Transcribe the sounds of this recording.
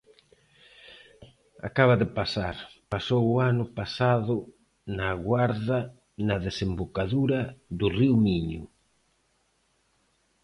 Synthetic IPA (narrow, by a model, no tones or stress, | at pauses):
a̰kaβɐðɪpasaɾpasowʊanʊpasaðʊ | naɣwaɾðɐ | nɐðesembokaðuɾɐðʊriwmiɲʊ̰